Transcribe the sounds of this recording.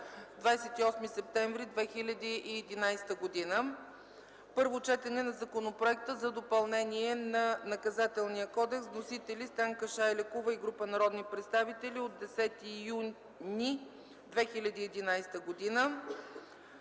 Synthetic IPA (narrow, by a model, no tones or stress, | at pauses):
vd̪vajsɛt̪iɔsmisɛp̚t̪ɛɱvɾid̪vɛxilʲɐd̪iʔːɛd̪inajst̪əɡod̪inə | pɤɾvot͡ʃɛt̪ɛnɛnɐzɐkonopɾoɛk̚t̪əzɐd̪opɐlˠnɛniɛnɐnɐkɐzat̪ɛlˠnijəkɔd̪ɛksnosit̪ɛlʲist̪aŋkəʃaɛlɛkuvəiɡɾupənɐɾɔd̪nipɾɛt̪st̪avit̪ɛlʲiod̪d̪ɛsɛt̪iju | ni | d̪vɛxilʲɐd̪iːɛd̪inajst̪əɡod̪inə